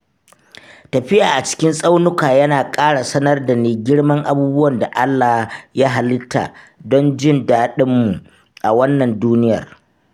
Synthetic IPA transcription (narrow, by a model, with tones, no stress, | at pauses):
tɐ˨ɸɪ˦jaː˨ʔa˨t͡ʃɪ̥˦kʲɪ˦nsʼa˦wnʊ˦kaː˨jɐ˦naː˨kʼaː˦ɽa˨sɐ˦nɐ˦rda˨neː˨ɡʲɪ˦ɽmɐ˦ŋʔa˨buː˦bʊ˦wɐ˨nda˨ʔa˦lːa˨hja˦ɦa˨lɪ˦tʰa̰˨ | dɔ˦nd͡ʒɪ˦ndaː˦ɗɪ˦mːu˨ | ʔa˨wɐ˦nːɐ˨nduː˦nɪ˦jɐ̰˨r